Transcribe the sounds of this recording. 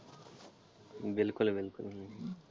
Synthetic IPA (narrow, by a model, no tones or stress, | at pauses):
bɪlkʊlbɪlkʊlɦ